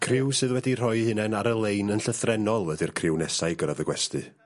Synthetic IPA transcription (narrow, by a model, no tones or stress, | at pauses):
kʰrɪwsɨðwɛdir̥ɔɨhɨnɛnaɾəlˠejnənɬəθrɛnɔlˠədɨrkʰrɪwnɛsaɨɡəɾaðəɡwɛstɨ